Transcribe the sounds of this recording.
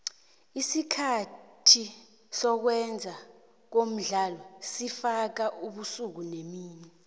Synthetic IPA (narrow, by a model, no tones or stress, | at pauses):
isikʰatʰi | sɔk̬wɛnd͡zʱa | k̬om̩ɮalɔsifak̬aʔuɓusuk̬unemiːɲɛ